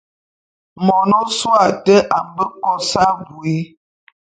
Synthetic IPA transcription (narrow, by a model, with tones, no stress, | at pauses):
mɔ˨nɔ˦swa˨tə˦ʔa˨m˨bə˦kɔ˦sa˦ɡu˨e˦